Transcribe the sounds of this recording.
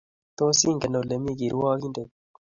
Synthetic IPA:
t̪o˦si˦ŋɡe˨no˨le˨mi˦ki˨ɾwaː˦ki˦nde˨

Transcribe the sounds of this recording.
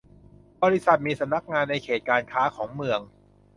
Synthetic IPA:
bɔː˧ɾi˦˥sa˨˩t̪̚miː˧sa˨˧˦mna˦˥k̚ŋaː˧nːa˧jkʰeː˨˩t̪̚kaː˧nkʰaː˦˥kʰɔː˩˦ŋmɯ˧əŋ

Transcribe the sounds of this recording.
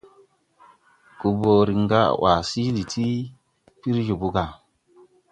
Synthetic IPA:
ku˨bo˨ɾi˨ŋ˦ɡa̰˦˨wʔa˨si˦li˨tʰi˦ | pi˦ɾd͡ʒu˨bu˦ɡa˨

